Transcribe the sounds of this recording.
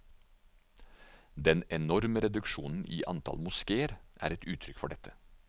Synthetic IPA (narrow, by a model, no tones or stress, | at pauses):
d̪ɛnɛnɔɾməɾɛd̪ʉkʃuːnn̩ʔiːʔɑnt̪ʰɑ̰lmʊskeːəɾʔæ̰ːɾɛt̪ʉːt̪ʰɾʏkfɔɖɛt̪ʰə̥